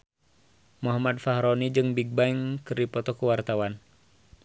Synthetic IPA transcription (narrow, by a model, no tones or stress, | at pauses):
mɔɦamad̪̚faɦɾɔnid͡ʒɨŋbiɡ̚baiŋkɨrdipɔt̪ɔkuwart̪awan